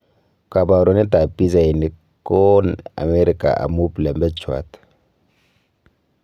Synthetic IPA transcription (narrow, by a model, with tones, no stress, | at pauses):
ka˨ba˨ɾɔ˦ni˦ta˨pi˦za˨i˨ni˨˦k | kːɔna̰˨me˦ɾi˦ka̰˨ʔa̰˨mu˦plɛ˨mbɛ˦t͡ʃwa̰˨t